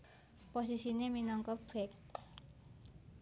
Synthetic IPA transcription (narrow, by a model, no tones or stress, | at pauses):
pos̬isineminɔŋkɔb̥ɛk̚